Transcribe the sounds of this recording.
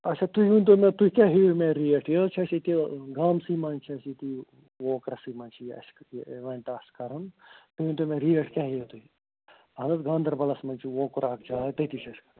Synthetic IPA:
ɐt͡ʃʰat̪ujũnʲt̪̬omẽt̪uikʲaːɦimẽɾieʈʰjɐt͡ʃʰɐsit̪iɡaːmsimɐnt͡ʃʰiɐsit̪i | woːkɾɐsimɐ̃nt͡ʃʰiɐ̰sʋẽɳʈaːskɐɾɐnt̪ujũːnʲt̪omẽɾijeʈʰkʲaːɦijɐt̪ui | ɐnɐt̪ɡãːnd̪ɐɾbɐlɐsmɐnʲt͡ʃʰiwoːkuɾaːkʰd͡ʒaːt̪ɐit̪it͡ʃʰɐskɐ

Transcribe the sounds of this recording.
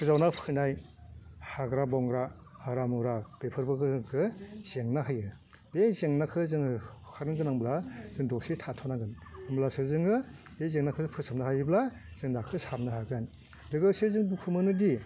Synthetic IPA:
kʰɯzawnapʰɯnaj | haɡɾabɔŋɡɾahaɾamɯɾab̥epʰɯɾbɯɡɯɡɯz̥eŋnaɦajɯ | ezeŋnakʰɯzɯŋ | kʰaɾɯŋɡɯnaŋblaz̥ɯŋdɔsitʰatʰɔnaŋɡɯnamblasɯzɯŋɯ | ezeŋnakʰɯzɯpʰɯsamnaɦajɯblaz̥ɯŋnakʰɯsapnaɦaɡan | dɯɡɯsezɯŋbukʰɯmɯnɯdi

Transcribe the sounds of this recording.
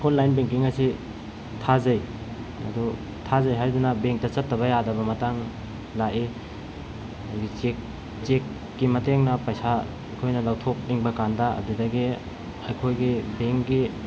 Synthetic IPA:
kʰonlːajnbeŋkiŋɐsi | tʰazɐj | ɐ̰du | tʰazɐjɦaɾdunɐbeŋk̚tɐt͡ʃɐtːɐβɐjadɐbɐmɐtaŋ | laʔi | ɡit͡ʃek | t͡ʃekː | imɐteŋnɐpɐjsa | ɐkʰojnɐlawtʰok̚niŋbɐkandɐɐ̰budɐɡi | ɐjkʰojɡibeŋkɡi

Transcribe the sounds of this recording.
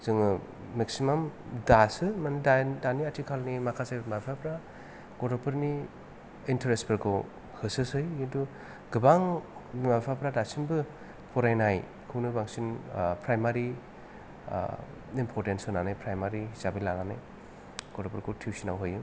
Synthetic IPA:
zɯŋɯ | meksimamdasɯmanidadaniatʰikʰalnimakʰasajmabipʰapɾa | ɡ̥ɔɾɔpʰɯɾni | intʰeɾespɯɾkʰɯw | hɯsɯsɯjentu | ɡɯbaŋmabpʰapɾadasinbɯ | pʰɔɾajnaj | kʰɯwnɯbaŋsinpʰɾajmaɾḭ | impʰɔɾtensɯnanajpʰɾajmaɾiɦisabilanana̰j | ɡɔdɔpʰɯɾkʰɯtʰiwsinawɦɯjɯ

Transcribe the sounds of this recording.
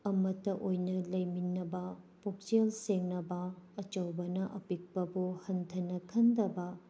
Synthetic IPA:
ɐmɐtːɐʔojnɐlɐjminːɐbɐ | pok̚selseŋnɐbɐɐt͡ʃɐwbɐnɐʔɐpik̚pɐbuhɐntʰɐnɐkʰɐndɐbɐ

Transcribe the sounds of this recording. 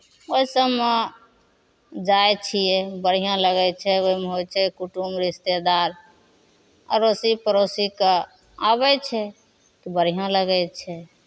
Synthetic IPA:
oisəːe | d͡ʒajt͡ʃʰijɛbəɽ̤ijãləɡɛt͡ʃʰɛoimeɦojt͡ʃʰɛkuʈumɾist̪ed̪aɾ | ə̰ɾosipəɾosike | abɛt͡ʃʰɛ | k̪ibəɽ̤ijãləɡɛt͡ʃʰɛ

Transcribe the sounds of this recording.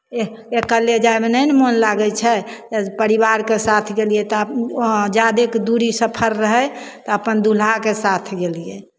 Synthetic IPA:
e | ekəled͡ʒaebenənmonlaɡət͡ʃʰɛpəɾiβaɾkesat̪ʰɡelijet̪ɔ | d͡ʒad̪ekd̪uɾisəpʰəɾːəɦət̪ɔəpənd̪ul̤akesat̪ʰɡelije

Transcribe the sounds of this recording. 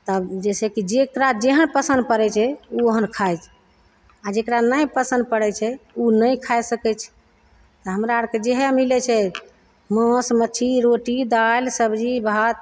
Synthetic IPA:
t̪əbd͡ʒɛsɛkid͡ʒekɾad͡ʒeɦənpəsə̃nd̪̚pəɾɛt͡ʃʰɛuoɦənkʰajt͡ʃʰ | ad͡ʒekɾanəjpəsə̃nd̪̚pəɽɛt͡ʃʰɛunəjkʰajsəkɛt͡ʃʰɛ̥ | t̪əɦəmɾaəɾked͡ʒeɦɛmilɛt͡ʃʰɛ | mə̃smət͡ʃʰiɾoʈid̪alsəbd͡ʒibʱat̪

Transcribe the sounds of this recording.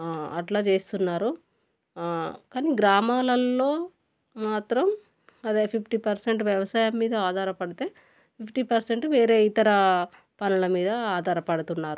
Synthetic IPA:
ɐʈlaːt͡ʃe̞ːst̪unːaːɾu | kaːniɡɾaːmaːlɐlːo̞ː | maːt̪ɾɐm | ɐd̪eːpʰipʰʈipɐɾseɳʈʋjɐʋɐsaːjɐmːiːd̪ɐaːd̪ʱaːɾɐpɐɽit̪e̞ː | pʰipʰʈiːpɐɾseɳʈʋe̞ːɾe̞ːit̪ɐɾɐ | pɐnulɐmiːd̪ɐaːd̪ʱaːɾɐpɐɽut̪unːaːɾu

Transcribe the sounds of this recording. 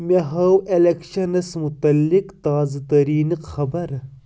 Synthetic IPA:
mʲeɦɐwʔelekʃɐnɐsmut̪ɐlːikt̪aːzɐt̪ɐɾiːnɨqxɐbɐɾ

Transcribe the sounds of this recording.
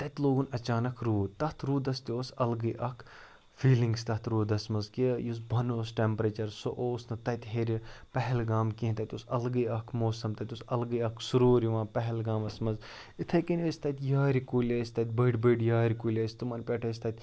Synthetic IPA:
t̪ɐt̪ʲloːɡunɐt͡ʃaːnɐkʰɾuːt̪ɐt̪ɾuːd̪ɐst̪ioːsɐlɡɨjʔɐkʰ | fʰiːliŋɡst̪ɐt̪ɾuːd̪ɐsmɐzkijus̬bʱɐnoːsʈempɾɐt͡ʃɐɾsoʔoːsnɨt̪ɐt̪ʲɦeːɾʲipɐɦɛlɡaːmkiɦĩt̪ɐt̪ʲoːsɐlɡɨɐkʰmoːsɐmt̪ɐt̪ʲusɐlɡɨɐkʰsuɾoːɾiʋãːpɐɦɛlɡaːmɐsmɐz | it̪ʰɐjkinʲəsʲt̪ɐt̪ʲjaːɾikulʲɐːsʲt̪ɐt̪̚ʲbɐɖbəɖjaːɾikuːlʲɐsʲt̪umɐnpʲeʈʰɐs̬ʲt̪ɐt̪ʲ

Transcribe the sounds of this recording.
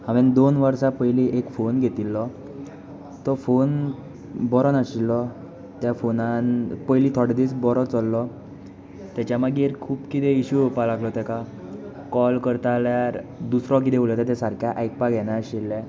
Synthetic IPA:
aʋend̪onʋəɾsapəjliʔekfonɡʱet̪ilːɔ | t̪ɔfon | bɔɾɔnaɕilːɔ | t̪jafonanpəjlit̪ʰɔɽd̪it͡sbɔɾɔt͡sɔlːɔ | t̪jat͡ɕjamaɡiɾkʰuːpkit̪ɛiɕuopalaɡlɔt̪ɛka | kɔlkəɾt̪aljaɾd̪usɾɔ̃k̬it̪eulɔt̪et̪ɛsaɾkʰjaʔajk̚paɡʱɛnaːɕilːɛ̃

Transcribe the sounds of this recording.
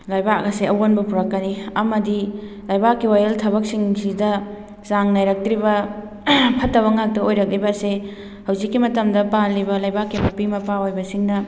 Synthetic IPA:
lajbaɐseɐwonbɐpʰuɾɐkːɐniɐmɐdi | lajbakːiwajɐltʰɐbɐk̚siŋsidɐ | saŋnajɾɐk̚tɾibɐ | pʰɐtːɐβɐŋak̚tɐojɾɐk̚libɐse | hɐwzikːimɐtɐmdɐpalːibɐlajbakːimɐpimɐpaojbɐsiŋnɐ

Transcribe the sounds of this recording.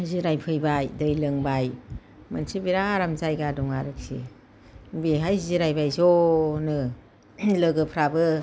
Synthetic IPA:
ajziɾajpʰɯjbajdɯjlɯŋbaj | mansibiɾaːɾamzajɡadɔŋaɾɯk̚sḭ | biɦajziɾajbajzonɯ | lɯɡɯpʰɾabɯ

